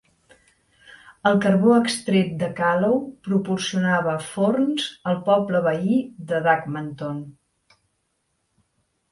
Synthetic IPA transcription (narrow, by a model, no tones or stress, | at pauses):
əlˠkərβoəkst̪ɾemd̪əkalowpɾupursiunaβəfornzəlˠpɔbləβəid̪əðakmənt̪on